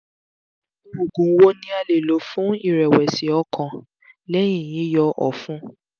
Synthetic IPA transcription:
o˨ɡũ˨˦wo˦nĩ˦a˧le˨lo˨˦fũ˦i˦˨ɾɛ˨wɛ˨si˨˦ɔ˧˦kʰã˧ | lɛ˦j̃ĩ˦˨jĩ˨˦jɔ˧ʔɔ̰˨fũ˦

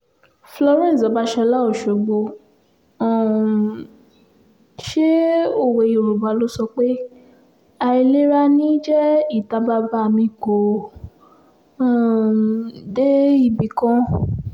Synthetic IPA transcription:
flɔ˧ɾɛ̃˦˨sɔ˨˦ba˦ʃɛ˧la˦o˦˨ʃo˨ɡ͡bõ˧˨ | ʃe˦o˦˨we˨jo˨ɾu˨ba˨˦lo˦sɔ˧k͡pe˦ | a˧i˧le˦ɾa˦nĩ˦d͡ʒɛ˦i˦˨ta˧ba˦ba˦˨mĩ˧ɡo˨˦˨ | de˦i˦˧˨bi˧˨kɔ̃˦

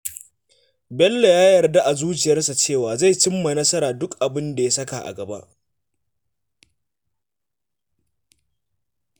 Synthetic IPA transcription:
bɛ˦lːe˨jaː˦jɐ˨rda˦ʔa˨zuː˦t͡ʃɪ˨jɐ˦rsa˨t͡ʃeː˦˨waː˨za˦˨jt͡ʃɪ˦mːa˨nɐ˦sɐ˦ɾaː˨dʊ˦kʔa˨bɪ˦nda˨ja˦sɐ˦ka˨ʔa̰˨ɡɐ˨ba̰˦ʔ

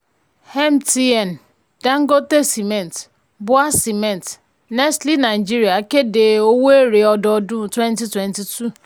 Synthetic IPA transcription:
hɛ˦m˦ti˦ɛ˨n˨ | d̥a˦ŋ̩˦ɡo˦te˦si˨me˨n˨t | bʊ˦a˦si˨mɛ˨n˨t | nɛ˦stli˦na˨ɪ˨d͡ʒi˦ɾi˨a˨˦ke˦de˨o˦we˦ɾe˨ɔ˦dɔ˦dʊ˦˨twe˦nti˦twe˨nti˨tu˦˨

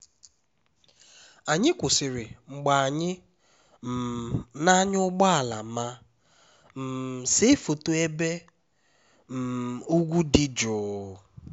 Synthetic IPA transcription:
a˨ɲɪ˦kʷʊ˨sɪ˨ɾɪ˨ŋ͡m̩˨ɡ͡ba˨a˨ɲɪ˦ | m̩˨na˦ɲ˦ʊ˦ɡ͡bɔ˦a˨la̰˨˦ma˦ | m̩˨se˦fo˨to˦e˦be˦ | m̩˨u˦ɡʷu˦dɪ˦d͡ʒʊː˨˦

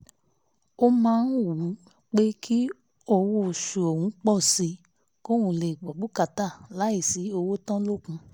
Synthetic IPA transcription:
o˦mãː˦˧n̩˦˨u˨˦ | k͡pe˦kʰi˦ | o˧wo˦˨ʃu˨o˨hũ˨˦k͡pɔ˦˨si˧˦ | ko˦˨wũ˨˧˨le˨i˨ɡ͡bɔ˨bu˨˦ka˧ta˦˨la˨˦i˦˨si˨˦o˧wo˦tã˦lo˦˨kũ˧˦

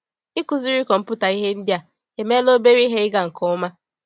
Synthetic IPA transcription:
ɪ˦kʊ˨zi˦ɾi˦kɔ˨m̩˦pʊ˦ta˨i˦ɦe˦n̩˦dja˨ | ke˨me˦lo˦be˦ɾi˦ɦe˦ɪ˦ɡa˨ŋ̩˨kɔ˦ʊ˦ma˦

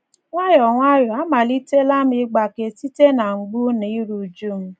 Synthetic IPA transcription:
ŋʷa˦jɔ˨ŋʷa˦jɔ˨a˦ma˨li˦te˦la˦mi˦ɡ͡ba˨ke˨ti˦te˦na˨ŋ͡m̩˨ɡ͡bu˦ni˨˦ɾu˨d͡ʒu˦m̩˦

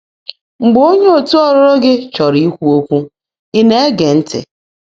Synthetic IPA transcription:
ŋ͡m̩˨ɡ͡bo˦ɲe˦o˨tu˦ɔ˦ɾɔ˦ɾɔ˦ɡɪ˦t͡ʃɔ˨ɾi˦kʷu˦o˦kʷu˦ | i˦ne˦e˦ɡe˨n̩˦tɪ̰˨

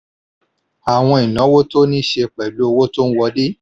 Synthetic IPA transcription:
a˨w̃ɔ̃˧i˨nã˨˦wo˦to˦nĩ˦ʃe˧k͡pɛ˨lu˨˦o˦˧wo˦to˦n̩˦wɔ˧˦de˦

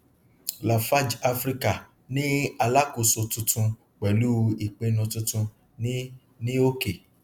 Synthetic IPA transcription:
la˨fa˦d͡ʒa˧fɾi˦ka˦˨ | nĩ˦a˧la˦ko˧˨so˧tũ˧tʰũ˧ | k͡pɛ˨lu˦i˨k͡pẽ˨˧nũ˧tũ˧tũ˧ | nĩ˦ | nĩ˦o˦ke˨

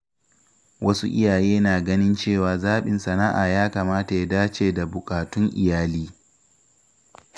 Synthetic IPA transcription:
wɐ˦su˦ʔɪ̰˦jaː˨jeː˦naː˨ɡɐ˦nɪ˦nt͡ʃeː˦˨waː˨zaː˦ɓɪ˨nsɐ˨naː˦ʔa̰ː˨jaː˦kaː˨maː˦ta˨ja˦daː˦t͡ʃeː˨da˨bʊ˨kʼaː˨tʊ˦ŋʔɪ̰˨jaː˦liː˦

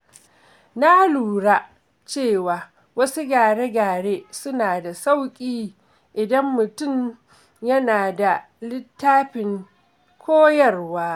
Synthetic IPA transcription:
na˦luː˨ɽa˦ | t͡ʃeː˦˨waː˨ | wɐ˦su˦ɡaː˨ɽeː˦ɡaː˨ɽeː˦sʊ˦naː˨da˨sa˦˨wkʲʼiː˦ | ʔɪ˨dɐ˦mːʊ˨tʊ˦˨ɲ | jɐ˦naː˨da˨ | lɪ˦tʰːaː˦ɸɪ˨ŋ | kʷʰoː˦jɐ˦rwaː˦

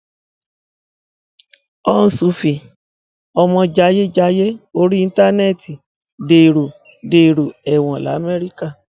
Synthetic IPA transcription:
ɔ˦n̩˨˧su˨˦fi˨ | ɔ˧mɔ̃˧d͡ʒa˧˦je˦d͡ʒa˧˦je˦o˧˦ɾi˦i˧n̩˦ta˦nɛ˦˨tʰi˨ | de˨ɾo˨ | de˨ɾo˨ɛ˨w̃ɔ̃˨la̰˨˦mɛ˦ɾi˦ka˦˨

